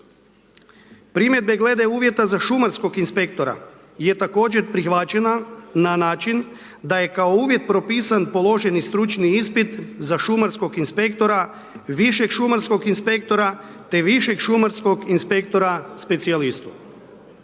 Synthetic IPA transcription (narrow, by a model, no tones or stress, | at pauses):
pɾimje̞d̪̚be̞ɡle̞d̪e̞uːʋje̞t̪azaʃumaɾsko̞ɡinspe̞k̚t̪o̞ɾa̰ | je̞t̪ako̞ːd͡ʑe̞ɾpɾixʋat͡ʃe̞nananaːt͡ʃin | d̪aje̞kaouːʋje̞t̪̚pɾo̞piːsanpo̞lo̞ʒe̞nist̪ɾut͡ʃniispit̪zaʃumaɾsko̞ɡinspe̞kt̪o̞ɾa | ʋiʃe̞kʃumaɾsko̞ɡinspe̞k̚t̪o̞ɾa | t̪e̞ʋiʃe̞kʃumaɾsko̞ɡinspe̞kt̪o̞ɾaspe̞t̪sialist̪u̥